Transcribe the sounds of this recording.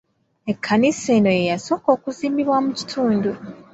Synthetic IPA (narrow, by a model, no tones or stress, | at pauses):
e̞kʰːaniseːno̞je̞jaso̞ːko̞ːkuziːmbiβwamuci̥tʰuːndu